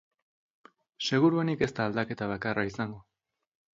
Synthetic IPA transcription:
se̞ɣ̞uɾuenike̞st̪aːld̪ake̞t̪aβ̞akaraisaŋɡo̞

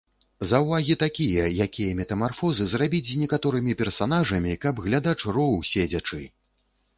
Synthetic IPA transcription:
zɐwvaɣʲit̪akʲijɐjakʲijɐmʲɛt̪ɐmarfɔzɨzrabʲit͡sʲzʲnʲɛkat̪ɔɾɨmʲipʲɛrsanaʐɐmʲikɐbɣlʲad̪at͡ʂrɔwˠsʲed͡zʲɐt͡ʂɨ

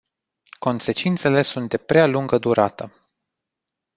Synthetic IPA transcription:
ko̞nse̞t͡ʃint̪se̞le̞sunt̪̚d̪e̞pɾealuŋɡəd̪uɾat̪ə

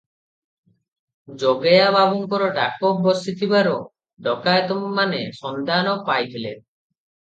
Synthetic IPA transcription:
d͡ʒɔɡajabʱabɔŋkɔɾɔɖa̰kɔbɔsit̪ʰibaɾɔ | ɖɔkajt̪ɔmmanesɔnd̪anɔpajt̪ʰile

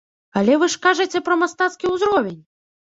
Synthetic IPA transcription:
alʲɛvɨʂkaʐɨt͡sʲɛpɾɐmast̪at̪skʲiwzɾɔvʲenʲ

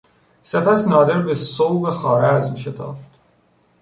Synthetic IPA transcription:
se̞pæsnɒːd̪e̞ɾbesowbexɒːɾeæzuʃet̪ʰɒ̰ːft̪

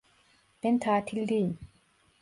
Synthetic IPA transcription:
pent̪ʰaːt̪ʰildiːn

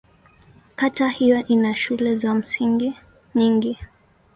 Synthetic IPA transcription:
katahijɔʔinaʃulɛzam̩siŋɡi | ɲiŋɡi

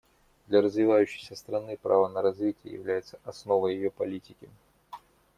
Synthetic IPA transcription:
d̪lʲɐɾəzvʲɪvajʉɕːɪ̥jsʲəst̪ɾɐnɨpɾa̰vənəɾɐzvʲitʲɪjə̰jɪ̰vlʲæjɪt̪səʔɐsno̞vəjɪjopɐlʲitʲɪkʲɪ

